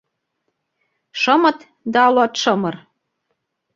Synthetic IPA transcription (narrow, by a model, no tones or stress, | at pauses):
ʃɤ̆mɤ̆t̪ | d̪ɑɑlɑt̪ʃɤ̆mɤ̆r